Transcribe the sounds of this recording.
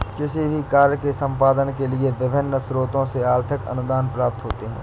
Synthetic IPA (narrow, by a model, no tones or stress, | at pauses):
kɪsibʱikaːɾjəkesə̃mpaːd̪ənkelieʋɪbʱɪnːəsɾoːt̪õseaːɾt̪ʰɪkə̰nʊd̪aːnpɾaːp̚t̪ɦoːt̪eɦɛ̰̃ː